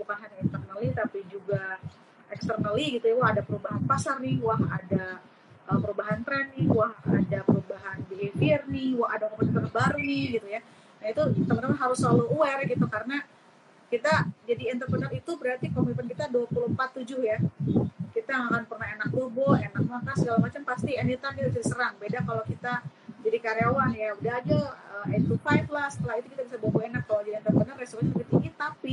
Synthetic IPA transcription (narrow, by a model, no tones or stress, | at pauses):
bukanɦanaint̪ərnəlit̪apid͡ʒuɡa | ʔɛkst̪ərnəliɡit̪ujawɔɦadapəɾubaɦanpasarnɪhwaɦada | ʔəpəɾubaɦant̪ɾɛnːɪhwaha̰dapəɾubaɦanbeefirnɪhwaɦadaŋɔmast̪əkəbaɾuiɡit̪uja | nait̪ut̪əmənəmanɦaɾʊsəlalouɛrɡit̪ukaɾəna | kit̪ad͡ʒadiɛnt̪ərbənərit̪ubəɾart̪ikomiipənkit̪aduapuluhmpat̪ːud͡ʒʊhja | kit̪aaŋakanpərnahenak̚bobɔenak̚makasəɡalamat͡ʃampast̪ianit̪abit̪t͡ʃaɾisəɾaŋbedakalokit̪ad͡ʒadikaɾeawahjaudaɦad͡ʒaəmɛnt̪ufajflahsə̥t̪əlahit̪ukit̪abisabobɔenakːalad͡ʒadiɛnt̪ərbənərːesoɾansapit̪iŋit̪api